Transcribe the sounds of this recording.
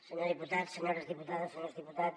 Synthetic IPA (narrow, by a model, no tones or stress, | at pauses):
seɲoɾðiput̪aðseɲoɾɐzðiput̪aðɐseɲoɾzðiput̪a